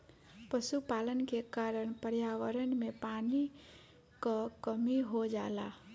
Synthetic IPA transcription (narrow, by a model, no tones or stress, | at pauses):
pəʃupaːlənkekaːɾəɽ̃pəɾjaːʋəɾənmẽpaːni | kakəmiɦod͡ʒaːla̰ː